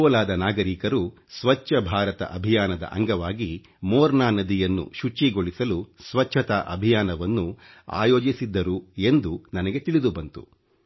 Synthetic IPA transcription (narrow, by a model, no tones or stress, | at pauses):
ɔːlaːd̪ɐnaːɡɐɾiːkɐɾu | sʋɐt͡ʃːɐbʱaːɾɐt̪ɐ̰ʔɐbʱijaːnɐd̪ɐ̰ʔɐ̰ŋɡɐʋaːɡi | mɔːɾnaːnɐd̪ijɐnːṵʃut͡ʃːiɡoɭisɐlusʋɐt͡ʃʰːɐt̪aʔɐ̰bʱijaːnɐʋɐnːu | a̰ːjoːd͡ʒisid̪ːɐɾue̞nd̪unɐnɐɡe̞t̪iɭid̪ubɐnt̪ṵ